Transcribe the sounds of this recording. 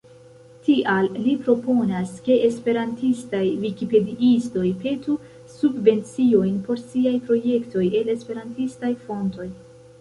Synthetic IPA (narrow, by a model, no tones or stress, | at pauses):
tiʔalːipɾo̞po̞naske̞espe̞ɾantistajvikipe̞diʔisto̞jpe̞tu | subve̞nt͡sio̞jnpo̞ɾsiajpɾo̞je̞kto̞je̞le̞spe̞ɾantistajfo̞nto̞j